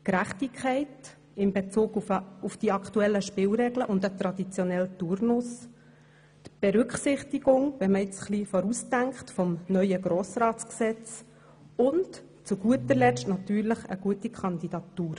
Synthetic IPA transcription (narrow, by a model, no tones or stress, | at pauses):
kɾæχtɪkʰχɛɪt | ɪmbet͡suːɡʊfd̥iɑkʰtuɛlːəʃpɪːlɾɛɡləʔʊndət̪ɾɑd̥it͡sjɔnɛltuɾnʊs | t̪b̥ɛɾʉkχsɪχtiɡ̥ʊŋvɛməɪt͡sχlifɔɾustæŋkχtfɔmnœʏəɡɾɔːsɾɑːtt͡sksɛt͡s | ʊnt | t͡suɡ̥uətəɾlɛʃtnɑtyːɾləχə̰ɡ̥uətikʰχɑnd̪id̥ɑtuːɾ